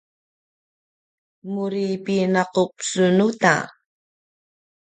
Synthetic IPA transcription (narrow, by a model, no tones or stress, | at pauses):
muɾipinaqupsunuta̰